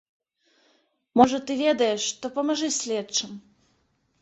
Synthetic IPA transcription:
mɔʐɐt̪ɨvʲɛd̪ɐjɛʂːt̪ɔpɐmɐʐɨsʲlʲɛt͡ʂɨm

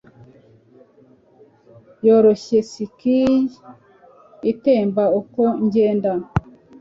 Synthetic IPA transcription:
joɾoɕesikij | iteːmbaukoɲɟeːndan

